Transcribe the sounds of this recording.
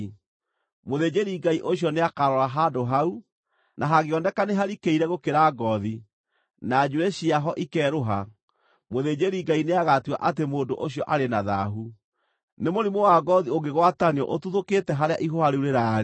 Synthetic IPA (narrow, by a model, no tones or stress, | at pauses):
moðed͡ʑeɾiɡaiʔoɕ̬jɔneakaɾɔɾaɦadoɦau | nʔaɦaɣeɔndɛkaneɦaɾikeiɾɛɣokeɾaɡɔði | nad͡ʑuɾɛɕiaɦɔʔikɛːɾoɦa | moðed͡ʑeɾiɡaineaɣatiwa̰ʔat̬emoːdoʔoɕjɔʔaɾenaða̰ɦu | nemoɾimowaɡɔðioŋɡeɣwataniɔ̰ʔotuðoketɛɦaɾeaʔiɦoaɾeuɾeɾaɾ